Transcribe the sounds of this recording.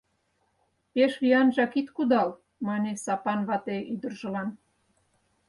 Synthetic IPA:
peʃβiɑnʒɑkit̪kud̪ɑl | mɑnʲesɑpɑnβɑt̪eʔyd̪ə̆rʒə̆lɑn

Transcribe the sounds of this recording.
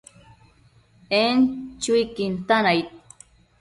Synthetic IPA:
ent͡ʃujkint̪anajt̪̚

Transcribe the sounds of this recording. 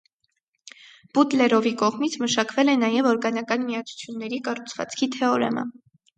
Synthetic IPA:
b̥ut̪lɛɾɔvikɔʁmit͡sʰməʃɑkvɛlɛnɑjɛvɔɾɡɑnɑkɑnmijɑt͡sʰu̥t͡sʰjunːɛɾikɑrut͡sʰvɑ̰t͡skʰit̪ʰɛɔɾɛ̰mə̰

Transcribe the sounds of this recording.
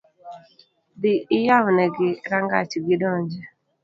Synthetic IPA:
d̪ɪɪjawnɛɡɪɾaŋɡa̰t͡ʃiɡɪdɔɲd͡ʒɛ

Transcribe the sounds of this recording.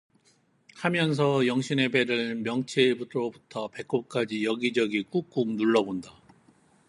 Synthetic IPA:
hamjʌns̬ʰʌjʌŋɕʰine̞be̞ɾɯɭmjʌŋt͡ɕʰebutʰɾobutʰʌpe̞k͈op̚k͈ad͡ʑijʌɡid͡ʑʌɡik͈uk̚k͈umnuɭːʌbonda

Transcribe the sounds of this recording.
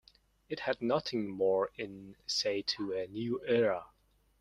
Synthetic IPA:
ɨt̚hɨdⁿnʌθɪ̃ŋmɔɹɪ̃nseɪtʰəɨnjʉɛɹə

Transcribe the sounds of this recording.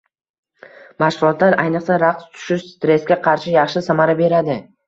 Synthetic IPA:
maʃʁʊlˠɒt̪laɾajnɨqsaɾaqst̪ʰʊ̥ʃɪʃst̪ɾe̞skʲaqʰɑɾʃɪjɑχʃɪsamaɾabe̞ɾad̪ɪ

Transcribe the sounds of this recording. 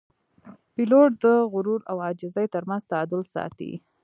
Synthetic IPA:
piloʈ̚d̪əɣʊɾuɾawɑd͡ʒɪzəjt̪əɾmanzt̪aɑd̪ʊlsɑ̰t̪ḭ

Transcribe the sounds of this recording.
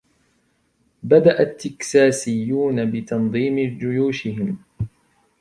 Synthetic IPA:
bad̪aʔat̪ːɪksaːsɪjːuːnabɪt̪ɑnðˤiːmɪd͡ʒʊjuːʃɪhɪm

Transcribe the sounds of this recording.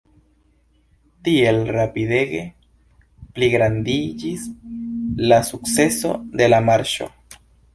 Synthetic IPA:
t̪ielrapiðeɣḛ | pliɣɾand̪iʝis | lasukseso̰ðelamaɾʃo̰

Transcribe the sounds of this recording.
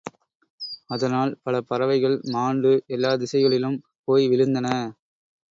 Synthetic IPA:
ɐðɐnaːlpɐlɐpɐɾɐʋɐɪɣɐɭmaːɳɖɯʔɛlːaːd̪ɪsɐɪɣɐɭɪlɯm | poːjʋɪɻɯnd̪ɐnɐ

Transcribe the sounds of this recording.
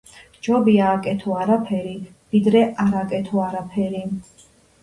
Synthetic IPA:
d͡ʒɔbiaːkʼɛt̪ʰɔaɾapʰɛɾi | vid̪ɾɛʔaɾakʼɛt̪ʰɔaɾapʰɛɾi

